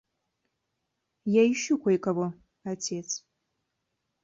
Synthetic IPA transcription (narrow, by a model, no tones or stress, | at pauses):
jaiʃukʷʰɐjkʼavo | atʰet͡sʰʼ